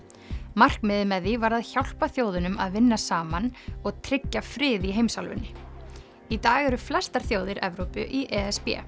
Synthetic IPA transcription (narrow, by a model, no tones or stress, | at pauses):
mar̥kmɪðɪmɛðivaɾaðçawl̥paθjoːwðʏnʏma̰ðvɪnːasaːmanɔɣt̪ʰɾɪcːafɾɪːðiɦejmsalvʏ̰nːɪ | it̪aːɣɛɾʏflɛst̪aɾ̥θjoːwðɪɾɛvɾowpʏʔiʔɛɛspɛ̰ː